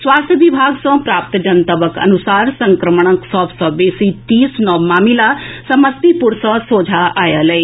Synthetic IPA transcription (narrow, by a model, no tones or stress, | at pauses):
swaːst̪ʰəʋɪbʱaːɡsɔ̃pɾaːpt̪d͡ʒənt̪əbəkɐ̰nʊsaːɾsə̃ŋkɾəməɳ̃ə̃ksɔːbsɔːbeːsit̪iːsnɔmaːmilasɐməst̪ipʊɾsɔ̃soːd͡ʒʱaʔaːjaləeː